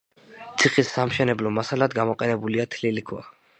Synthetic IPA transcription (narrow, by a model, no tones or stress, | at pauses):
t̪sʰiχisːamʃɛnɛblɔmasalad̪ɡamɔqʼɛnɛbuliat̪ʰlilikʰwa̰